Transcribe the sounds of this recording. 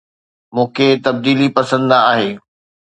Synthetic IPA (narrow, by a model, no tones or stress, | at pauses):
mũːkʰet̪ɐb̚d̪iːlipɐsə̃nd̪aːɦeː